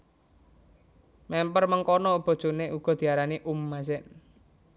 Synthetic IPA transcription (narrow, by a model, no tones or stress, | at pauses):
mɛmpərməŋkɔnɔub̥ɔ̤d̥ʒ̥o̤neʔuɡ̥ɔ̤d̪̥i̤aɾaniʔumːas̬ɛn